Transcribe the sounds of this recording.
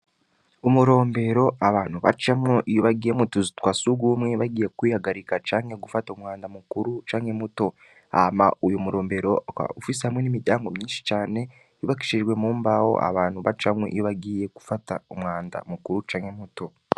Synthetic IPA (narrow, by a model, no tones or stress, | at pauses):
umuɾo̞ːmbe̞ɾo̞aβaːn̥huβa̰t͡ʃamŋoʔijoβaɡiːjemutozitwasuɡumŋe̞βaɡiːjekwiːhaɡaɾikat͡ʃaːŋhe̞ɡufataumŋaːndamukuɾut͡ʃaːŋhe̞muto̞ | a̰maujumuɾo̞ːmbe̞ɾo̞a̰ufis̬ehamŋwe̞nimiɟaːŋɡo̞mɲiːnʃi̥t͡ʃaːne̞ | iβaki̥ʃiʒɡwe̞muːmbaho̞̰ʔa̰βaːnhuβa̰t͡ʃamŋo̰ʔḭjoβaɡiːje̞ɡu̥fataumŋaːnda̰mukuɾut͡ʃaːŋhe̞muto̞